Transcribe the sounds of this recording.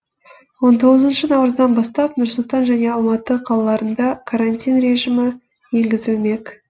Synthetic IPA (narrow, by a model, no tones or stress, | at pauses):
wo̞nt̪ʰo̞ʁəzənʃənɑwɾəzd̪ɑnbɑst̪ɑp̚nʊɾsʊlˠt̪ɑnʒæne̞ɑlˠmɑt̪əqʰɑlˠɑlˠɑɾənd̪ɑkʰaɾanʲt̪ʲijnɾe̞ʒɪmɪ | je̞ŋɡʲɪzɪlme̞k